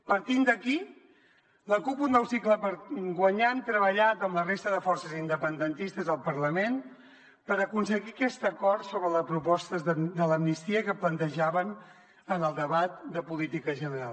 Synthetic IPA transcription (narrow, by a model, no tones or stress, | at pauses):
pəɾt̪ind̪əki | ləkupund̪əwsikləpəɾɡwəɲant̪ɾəβəʎat̪əmlərest̪əðəfɔrsəzind̪əpənd̪ənt̪ist̪əzðəlˠpəɾləmen | pəɾəkunsəɣikɛst̪əkɔɾt̪soβɾələspɾupɔst̪əzəd̪ələmnist̪iəkəplənt̪əʒaβən | ənəlˠd̪əβat̪̚d̪əpulit̪ikəʒənəɾalˠ